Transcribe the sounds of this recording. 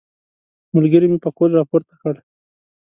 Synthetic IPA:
mʊlɡəɾimipəkolɾɑpoɾt̪ḁkəɽ

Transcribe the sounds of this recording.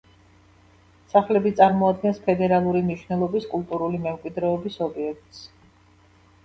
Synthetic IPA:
saχlɛbit̪sʼaɾmɔad̪̚ɡɛnspʰɛd̪ɛɾalˠuɾimniʃvnɛlˠɔbiskʼulˠt̪ʼuɾulimɛmkʼwid̪ɾɛɔbisɔbiɛk̚ʰt̪ʼs

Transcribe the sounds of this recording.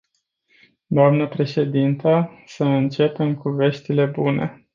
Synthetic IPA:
d̪oamnəpɾe̞ʃe̞d̪int̪əsəɨnt͡ʃe̞pe̞mkuve̞ʃt̪ile̞bunʔe̞̰

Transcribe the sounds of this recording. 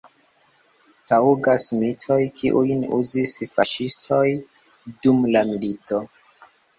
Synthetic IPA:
tauɡasmitʰo̞jkʰiʔujnṵzisfaʃistʰo̞j | dumlamilito̞

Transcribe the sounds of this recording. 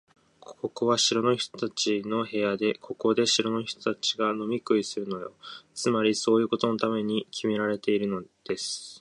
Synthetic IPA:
kʰo̞ko̞βaɕiɾo̞no̞çi̥t̪o̞̥t̪at͡ɕino̞ɦe̞jad̪e̞kʰo̞ko̞d̪e̞ɕiɾo̞no̞çi̥t̪ot̪at͡ɕiɡano̞mʲikɯ̟isɨɾɯ̟no̞jo̞̰t͡sɨmaɾʲiso̞ːjɯ̟ːko̞t̪o̞no̞t̪ame̞ɲ̟ikʲʰime̞ɾaɾe̞t̪e̞iɾɯ̟no̞d̪̥e̞sɨ̥

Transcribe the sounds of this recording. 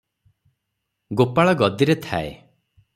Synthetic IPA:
ɡopaɭɔɡɔd̪iɾet̪ʰa̰ḛ

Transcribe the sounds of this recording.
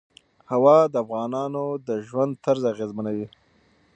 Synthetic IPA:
hawɑd̪əafɣɑnɑnod̪əʒwand̪̚t̪aɾzaɣezmanawi

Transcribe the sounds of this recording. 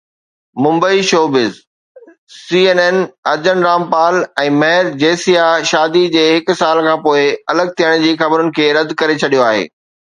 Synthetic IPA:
mʊ̃mbəiʃoːbɪz | siːeːnɛːnɐɾd͡ʑənɾaːmpaːlɛ̃ːmɐɦɪɾd͡ʑeːsijaʃaːd̪id͡ʑeːɦɪk̆saːlkʰãːpoːɪɐləɡ̚t̪ʰijəɽ̃d͡ʑiːxɐbɾʊnɪ̆kʰeːɾɐd̪ʱkɐɾet͡ɕʰɐɗijoaːɦḛː

